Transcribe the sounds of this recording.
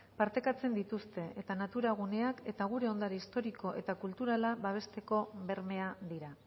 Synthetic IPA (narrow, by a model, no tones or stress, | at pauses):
paɾt̪e̞kat͡se̞nd̪it̪ust̪e̞ʔet̪anat̪uɾaɣ̞une̞ake̞t̪aɣ̞uɾe̞o̞nd̪aɾeist̪o̞ɾiko̞ʔe̞t̪akult̪uɾalaβaβ̞e̞st̪e̞ko̞βe̞ɾme̞ad̪iɾa